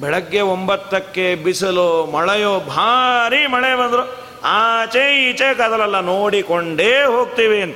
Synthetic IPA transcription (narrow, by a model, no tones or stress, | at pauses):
bɛɭɐɡːeombɐt̪ːɐkːebisɐlomɐɭɐjoːbʱaːɾimɐɭebɐnd̪ɾu | aːt͡ʃeit͡ʃekaːd̪ɐlɐlːɐnoːɽikoɳɖeːɦoːɡ̚t̪iːʋiɐnt̪ɐ